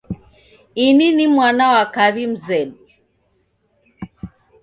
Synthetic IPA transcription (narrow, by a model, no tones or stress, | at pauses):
ininimwanawakaβim̩zɛɗi